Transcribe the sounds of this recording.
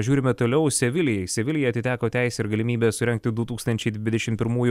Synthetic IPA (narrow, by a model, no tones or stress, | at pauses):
ʒʲuːɾʲɪmʲɛt̪oːlʲɛʊsʲɛʋʲɪlʲɪjɛɪsʲɛʋʲɪlʲɪjɛɐt̪ʲɪt̪ʲæːkoːt̪ʲæˑɪsʲɛɪɾɡɐlʲɪmʲiːbʲeːsʊɾʲɛŋkt̪ʲɪd̪ʊt̪uːkst̪ɐnʲt͡ʃʲɛɪd̪ʲʋʲɪd̪ʲɛʃʲɪmpʲɪɾmuːjʊ